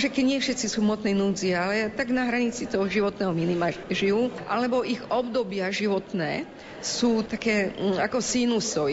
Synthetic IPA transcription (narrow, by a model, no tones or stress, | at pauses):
ʒɛkɛɟɲɪɛfʃɛt̪t͡sisuːmɔt̪nɛjnuːd͡zialɛt̪aɡnaɦɾaɲit͡sit̪ɔɦɔʒiʋɔt̪nɛːɦɔminimaʒiuʔa̰lɛbɔʔiɣɔbd̪ɔbɪaʒiʋɔt̪nɛ̰ː | suːt̪akɛːakɔsinusɔ